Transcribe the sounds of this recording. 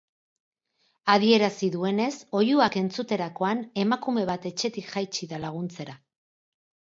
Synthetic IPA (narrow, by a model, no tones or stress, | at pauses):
að̞ie̞ɾasiðue̞ne̞so̞juake̞nt͡sut̪e̞ɾako̞ane̞makume̞β̞at̪e̞t͡ʃe̞t̪ikʝajt͡ʃiðalaɣ̞unt͡se̞ɾa